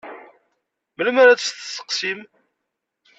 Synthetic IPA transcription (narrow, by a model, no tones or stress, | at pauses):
məlməɾæt͡ssθəsːə̥qsim